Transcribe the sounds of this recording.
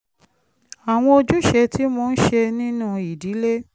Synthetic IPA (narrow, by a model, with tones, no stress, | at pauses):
a˨w̃ɔ̃˧o˧d͡ʒu˦ʃe˧tʰi˦mõ˧n̩˦ʃe˧nĩ˦nũ˦i˨di˨˦le˦